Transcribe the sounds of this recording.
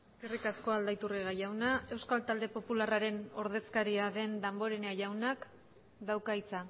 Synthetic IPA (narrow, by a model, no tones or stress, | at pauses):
eske̞rikasko̞ald̪ajt̪uriɣajawnae̞wskalt̪ald̪e̞po̞pularaɾe̞no̞ɾðe̞skaɾiaðe̞nd̪ambo̞ɾeneajawnak | d̪awkait͡sa